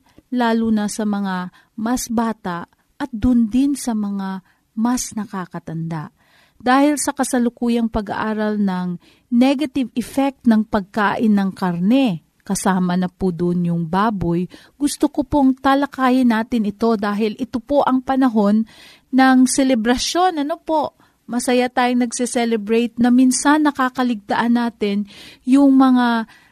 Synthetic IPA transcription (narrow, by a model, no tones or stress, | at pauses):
laːlunɐsɐmɐŋa | mɐsbaːt̪aʔ | ʔɐt̪̚d̪ʊnd̪ɪnsɐmɐŋa | mɐsnɐkakɐt̪ɐnd̪aʔ | d̪aːhɪlsɐkɐsɐlʊkuːjɐŋpɐɡɐ̰ʔaːɾɐlnɐŋ | nɛɡɐt̪ɪvɛfɛk̚t̪nɐŋpɐɡ̚kaːʔɪnːɐŋkɐɾnɛ | kɐsaːmɐnɐpud̪ʊʔnjʊŋbaːboj | ɡʊst̪okopoŋt̪alɐkaːjɪnːaːt̪ɪnɪt̪o̞d̪aːɦɪlʔɪt̪opo̞ʔɐŋpɐnɐɦo̞nː | ɐŋsɛlɛbɾɐʃo̞nʔɐnopo̞ʔ | mɐsɐjat̪aːjʊŋnɐɡsɛsɛlɛbɾɛjt̪̚nɐminsanːɐkaːkɐlɪɡ̚t̪ɐʔɐnːaːt̪ɪnjʊŋmɐŋa